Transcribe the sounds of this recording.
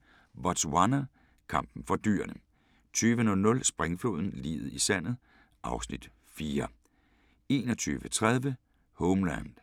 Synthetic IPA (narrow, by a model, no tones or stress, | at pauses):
ʋɒd̥swɑnɐ | kʰɑ̈m̰b̥n̩fɒ̽d̥y̰ːɐnə | t͡sʰyːʋənɔ̽lnɔ̽lsb̥ʁeŋfo̝̰ːð̞ˠn̩lḭːð̩ˠisæn̰ð̞̩ˠ | ʔɑ̈ʊsnid̥ | fiːɐ | e̝ːnɒt͡sʰy̰ːʋət͡sʰʁað̞ˠʋə | hɔʊmlænd̥